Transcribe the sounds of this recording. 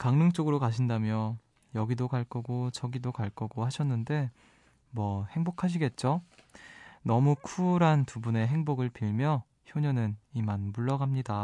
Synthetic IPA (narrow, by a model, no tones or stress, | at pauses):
kaŋnɯŋt͡ɕ͈oɡɯɾokaɕʰindamjʌ | jʌɡidokaɭk͈ʌɡot͡ɕʌɡidokaɭk͈ʌɡohaɕʰʌnːɯnde̞ | mwʌhe̞ŋbokʰaɕ̬ʰiɡe̞t̚t͡ɕ͈o | nʌmukʰuɾantubune̞ɦe̞ŋboɡɯɭpiɭmjʌ | çjoɲʌnɯnimanmuɭːʌɡamɲida